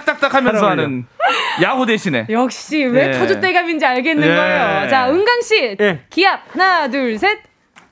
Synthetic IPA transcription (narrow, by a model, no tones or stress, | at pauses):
k̚t͈ak̚t͈akʰamjʌnsʰʌɦanɯnjaɡodeɕʰine̞̰jʌk̚ɕ͈iwe̞tʰod͡ʑot͈e̞ɡamind͡ʑiaɭɡenːɯnɡʌejot͡ɕaɯŋɡaŋɕ͈ikiap̚hanaduɭsʰe̞t̚